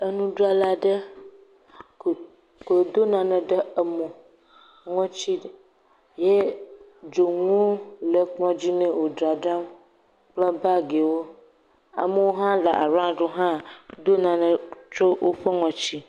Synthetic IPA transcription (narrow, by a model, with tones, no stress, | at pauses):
ə˦nũ˦ɖo˦a˨la˨ɖə˦˨ | ko˨d̪o˦nã˨nə̃˨ɖə˦ə˦mə̃˨ | ŋɔ̃˦t͡ɕi˦˨ | je˦ | d͡ʒo˨ŋo˦lə˨k͡plɔ̃˦d͡ʑi˦nẽ˦wo˨dɾa˨ɖa˦m | k͡plə˦ba˦ɡe˨wo˦ | a̰˨mə˦wo˦ɦã˦la̰˨ʔa̰˨ɾã˦ɖo˦ɦã˦d̪o˦nã˨nə̃˨t͡ʃo˦wʔo˦ɸə˦ŋɔ̃˨t͡ɕi˦